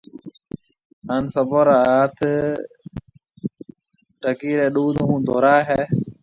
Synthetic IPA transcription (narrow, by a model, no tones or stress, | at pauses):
haːnsəbəɾaːaːt̪ʰ | ʈəkiːɾeːɗuːd̪ɦũːd̪oːɾaːɦɛː